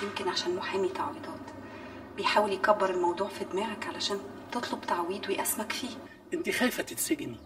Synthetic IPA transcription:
jemkenʕaʃæːnmoħhemit̪aʕwiːd̪ɑːt̪ | bejħaːweljekæbːeɾelmɑwd̪ˤuːʕfid̪mæːʕækʕalæʃæːn | t̪et̪ˤlobt̪aʕwiːd̪wejʔæsmækfiː | ʔɪnt̪ixæjfæt̪eseɡni

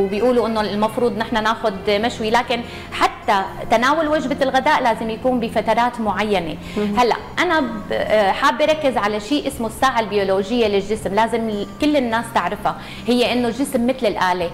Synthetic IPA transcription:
bɪjʔuːluʔɪnːolmɑfɾuːd̪ˤnɪħnanaːxʊd̪maʃwilaːkɪn | ħat̪ːat̪anaːwʊlwaʒbalɣad̪aːʔlaːzɪmjakuːmbifat̪ɑɾˤɑːt̪mʊʕajːane | halːa̰ʔʔana | ħaːbːiɾˤɑkːɪzʕalaʃiːʔɪsmosːaːʕalbɪjoːloːʒɪjːalɪlʒɪsmlaːzɪmkɪlːɪnːaːst̪ɪʕɾɪfa | hɪjːeʔɪnːolʒɪsmːɪt̪lɪlʔaːle

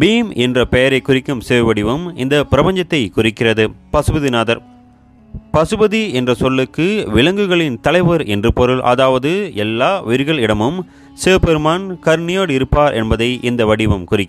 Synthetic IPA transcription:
biːmɛndrɐpɛjɐɾɐɪkʊrɪkːɯmseːʋʋɐɽɪʋɐmɪ̰nd̪ɐpɪɾɐpɐɲd͡ʒɐt̪ːɐɪkʊrɪkːɪrɐðɯpɐsɯbɐðinaːðɐɾ | pɐsɯbɐðiɛndrɐsɔlːɯkːɯʋɪɭɐŋɡɯɣɐɭɪnt̪ɐlɐɪʋɐɾɛndrɯpɔɾɯlʔɐ̰ðaːʋɐðɯɛlːaːʋɪɾɯɣɐɭɪɽɐmɯm | seːpɛɾɯmaːnkɐɾnɪjoːɽɪɾɯpːaːɾʔɛ̰nbɐðɐɪʔɪnd̪ɐʋɐɽɪʋɐmkʊrɪkː

